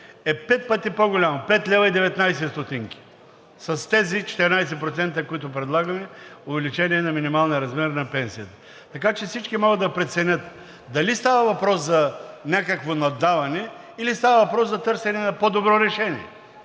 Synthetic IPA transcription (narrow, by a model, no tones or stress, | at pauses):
ɛpɛt̪̚pət̪ipoɡʊlʲamopɛt̪lʲɛvɐid̪ɛvɛt̪najsɛst̪ot̪iŋki̥ | sɐst̪ɛzit͡ʃɛ̥t̪ɛɾnajs̬ɛpɾot̪sɛnt̪əkoit̪ʊpɾɛd̪lˠaɡɐmɛovɛlit͡ʃɛniɛnɐminimalˠnɛɾɐzmɛɾnɐpɛnsijət̪ə̥ | t̪ɐkat͡ʃɛfsit͡ʃkimɔɡəd̪ːɐpɾɛt̪sɛnʲət̪ | d̪ɐlist̪avɐvɐpɾɔszɐnʲakəkvonɐd̪avɐnɛ | ilist̪avɐvɐpɾɔszɐt̪ɤɾsɛnɛnɐpod̪obɾɔɾɛʃɛniɛ